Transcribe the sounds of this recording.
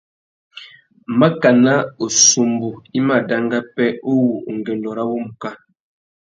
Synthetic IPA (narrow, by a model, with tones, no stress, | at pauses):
ma˦ka˨na˦o˨su˨mbu˨i˦ma˨da˦ŋɡa˦pɛ˦o˦wu˨o˨ŋɡɛ˨ndɔ˨ɾa˦bo˦mu˨ka˦